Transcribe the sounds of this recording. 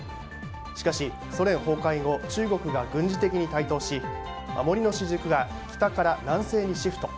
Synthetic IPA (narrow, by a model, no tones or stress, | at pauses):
ɕi̥kaɕi | so̞ɾẽ̞ɰho̞ːkaiŋo̞t͡ɕɨːɡo̞kɯ̟ɡaɡɯ̟̃ɲ̟d͡ʑit̪e̞kʲiɲ̟it̪ait̪o̞ːɕi | mʔa̰mo̞ɾʲino̞ɕiʑɨkɯ̟ɡa | kʲi̥t̪akaɾanãɰ̃se̞ːɲ̟iɕiɸɯ̟t̪o̞